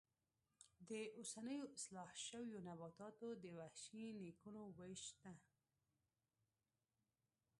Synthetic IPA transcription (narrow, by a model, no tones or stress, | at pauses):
d̪əʔosanəjoɪslɑhʃəwjonabɑt̪ɑt̪od̪əwahʃinikunowəʃt̪a